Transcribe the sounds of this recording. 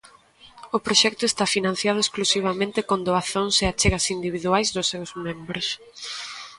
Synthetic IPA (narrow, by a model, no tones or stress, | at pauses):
ʊpɾoʃɛk̚t̪ʊest̪afinãn̟θjaðʊesklusiβ̞amẽnt̪ɪkond̪oaθoŋseat͡ʃeɣɐsind̪iβ̞iðuajzðʊsːewzmẽmbɾʊs